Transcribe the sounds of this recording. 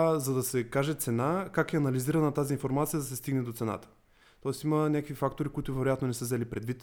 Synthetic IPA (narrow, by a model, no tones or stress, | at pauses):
zɐd̪ɐsɛkaʒɛt̪sɛnakakɛɐnɐliziɾɐnɐt̪aziːnfoɾmat̪sijəd̪ɐsɛst̪iɡnɛd̪ot̪sɛna̰t̪ə̥ | t̪ɔɛst̪imənʲakəvifak̚t̪oɾikʊit̪ʊvɛɾojat̪nonɛsəzɛlipɾɛd̪vit̪